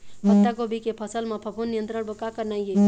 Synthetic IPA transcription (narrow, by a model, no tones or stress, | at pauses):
pət̪ːaɡobʱikepʰəsəlmepʰəpʰunːijənt̪ɾəɽbəkakəɾnajje